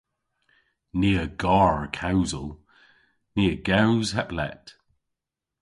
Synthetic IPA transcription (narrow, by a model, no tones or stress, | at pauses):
niːəɡ̥ɑːɹəkʰaʊzəlˠ | nɪːəɡaʊwz̥haplɛ̰t